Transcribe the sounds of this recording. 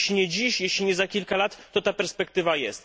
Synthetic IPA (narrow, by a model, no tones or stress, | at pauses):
ɕlʲiɲɛd͡ʑiɕjeɕlʲiɲɛzakʲilkalat̪ːɔt̪apɛɾspɛk̚t̪ɘvajɛst̪